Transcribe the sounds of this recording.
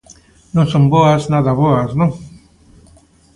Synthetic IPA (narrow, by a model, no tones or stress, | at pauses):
nõŋsõmboaznaðaβoaznõŋ